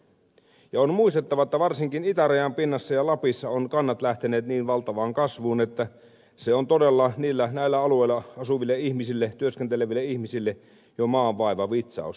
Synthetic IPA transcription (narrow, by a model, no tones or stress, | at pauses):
jɑonmuist̪et̪ːɑʋɑet̪ːæʋɑrsiŋkinit̪æræjæmpinːɑsːɑjɑlɑpisːɑonkɑnːɑt̪læht̪eneːt̪niːnʋɑlt̪ɑʋɑːŋkɑsʋuːnet̪ːæ | seont̪odelːɑniːlːænæˑilːæɑlueilːɑɑsuʋilːeihmisilːet̪yøskent̪eleʋilːeihmisilːe | jomɑːʋːɑˑiʋɑʋit̪sɑ̰ˑus